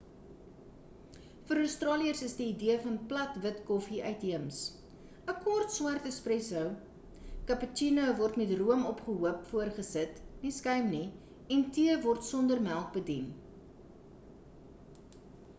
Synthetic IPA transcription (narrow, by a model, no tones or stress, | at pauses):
fəɾəwstrɑːliərsəsdiːdiəfɐnplɐtvətkɔfiʔœɥtɦiəms | əkɔrtswɐrtəsprɛsəw | kɐpət͡ʃinowvɔrtmɛtruəmɔpχəɦuəpfuərχəsətniskœɥmni | ɛntiəvɔrtsɔndərmælˠk̚bədin